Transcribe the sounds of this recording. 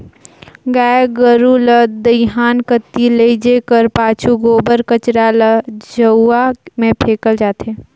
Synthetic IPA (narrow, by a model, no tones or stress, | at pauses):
ɡaːeɡəɾuləd̪əjɦaːnkət̪ːiləid͡ʒekəɾpaːt͡ʃʰuɡoːbəɾkət͡ʃɾaləd͡ʒəwamẽpʰeːkəld͡ʒaːt̪eː